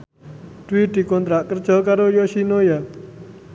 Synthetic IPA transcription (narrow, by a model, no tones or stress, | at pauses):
d̪̥wid̪i̤kɔnt̪ɾaʔkərd͡ʒ̥ɔ̤kaɾojɔʃinoja